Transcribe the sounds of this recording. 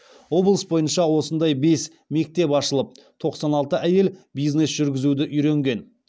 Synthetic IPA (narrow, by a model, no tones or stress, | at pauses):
wo̞blˠəsbo̞jənʃɑwo̞sənd̪ɑjbe̞s | me̞k̚t̪e̞pɑʃəlˠəp̚t̪ʰo̞qsɑnɑlˠt̪əʔæje̞lbijzne̞sʒ̥ʏɾɡʲɪzud̪ɪʔʏjɾeŋɡʲe̞n